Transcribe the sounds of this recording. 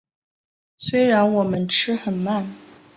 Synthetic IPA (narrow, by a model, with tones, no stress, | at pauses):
swe˥ɪɻa˧˥nwɔ˨˩mə˦nʈ͡ʂʰɻ̩˥xə˨˩nma˥˩n